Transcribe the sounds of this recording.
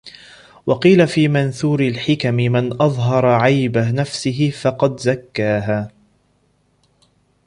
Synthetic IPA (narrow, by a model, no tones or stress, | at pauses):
wɑqiːlafiːmanθuːɾɪlħɪkamɪmanʔɑðˤɦɑɾˤɑʕajbanafsɪɦɪfɑqɑd̪zakːaːɦaː